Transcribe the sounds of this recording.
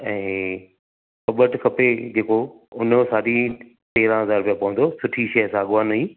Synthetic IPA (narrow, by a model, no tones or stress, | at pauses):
ɛ̃ː | kɐbəʈkʰɐped͡ʑeːko | ʊnsaːɗi | ʈeːɾãɦɐzaːɾʊpijãpɐʋə̃n̆d̪osʊʈʰiʃɐəsãːɠaːniː